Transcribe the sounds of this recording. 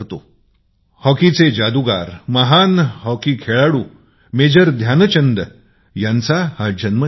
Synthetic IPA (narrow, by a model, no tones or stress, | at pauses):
ɾt̪o | hɔkit͡sed͡ʑad̪uɡa̰ɾməɦanɦɔkikʰeɭaɽuː | med͡ʑəɾd̪ʱjant͡ɕənd̪ə | jãnt͡sahad͡ʑənmə